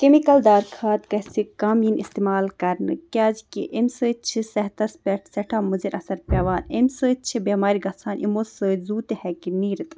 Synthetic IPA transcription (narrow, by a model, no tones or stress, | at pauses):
kemikɐld̪aːɾkʰaːt̪kɐsikaːminʔist̪emaːlkɐɾnɨ̰kʲaːzkiʔemsəːt͡ʃʰisɐɦt̪ɐspʲeʈʰseʈʰamuziɾʔɐsɐɾpʲeʋaːnemʲsəːt͡ʃʰibemaːɾiɡɐsʰaːnʔimosəːzuːt̪ehɛkiniːɾit̪